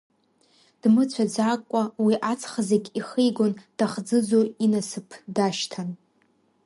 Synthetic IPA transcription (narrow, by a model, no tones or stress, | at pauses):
d̥mɨt͡sʷʰad͡zakʷʼːawiʔat͡sʰχazeɡʲiχejɡʷond̥aχd͡zɨd͡zoinasɨpʰdaʃtʰan